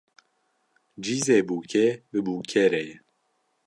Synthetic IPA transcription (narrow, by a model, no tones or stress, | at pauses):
d͡ʒiːzeːbuːkʰebɨbuːkʰɛɾɛjɛ